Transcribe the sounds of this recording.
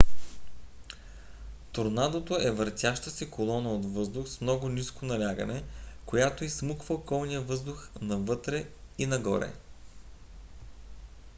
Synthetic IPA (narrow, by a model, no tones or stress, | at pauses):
t̪oɾnad̪ot̪oʔɛvəɾt̪ʲjaʃt̪əsɛkolˠɔnəot̪vɤzd̪ʊxsmnɔɡʊniskonɐlʲaɡə̰nɛkojat̪oismukvəokɔlˠnijəvɤzd̪ʊxnɐvɤt̪ɾɛinɐɡɔ̰ɾɛ̰